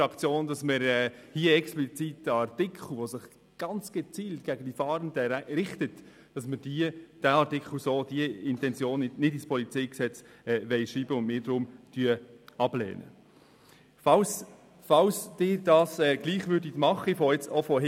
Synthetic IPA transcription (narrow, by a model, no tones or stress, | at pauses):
ɑkt͡sjoːndɑsməɾɛːhiːəɛksplit͡sitːəɑɾtɪkχl̩ʋosɪχ | ɡ̥ɑnt͡sɡ̥ɛt͡siːltɡ̥æɡ̥əd̥ifɑːɾəndəɾɪχtət | d̥ɑsməd̥iəd̥æɑɾtɪkχl̩soːd̥iəɪntɛnt͡sjoːnnɪdispʰɔlit͡sɛɪjksɛt͡s | ɛːʋɛɪʃiːbəʊnmɪːɾdɾʊmtyəɑb̥lɛ̰ːnə̰ | fɑls | fɑlsd̥ɪːɾdɑːsɛːɡ̥liːχʋʏɾdiɡmɑχːifoɛt͡sofɔɦ